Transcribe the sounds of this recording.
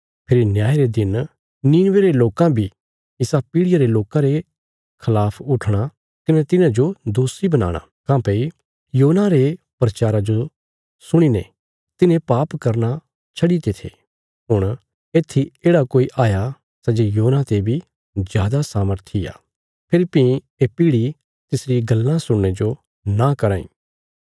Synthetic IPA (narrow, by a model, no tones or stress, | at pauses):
pʰɪɾinjaːɾed̪ɪn | niːnʋeɾeloːkãbʱi | ɪsapiːɽɪjaɾeloːkãɾe | kʰɐlaːpʰʊʈʰɽ̃a | k̪ɪnɛt̪ɪnãd͡ʒod̪oːsibɐna̰ːɽ̃a̰ | kãːpei | joːnãɾe | pɾɐt͡ʃaːɾad͡ʒo | sʊɽ̃inɛ̰ | t̪ɪnẽpaːpkɐɾna | t͡ʃʰɐɽit̪et̪ʰḛ | ɦʊɽ̃ | eːt̪ʰːieːɽakoːiʔaːja | sɐd͡ʒejoːnat̪ebʱi | d͡ʒjaːd̪asaːməɾt̪ʰija̰ː | pʰeɾipĩ | epiːɽi | t̪ɪsɾiɡɐlːãsʊɽned͡ʒo | nakɐɾãːḭ̃ː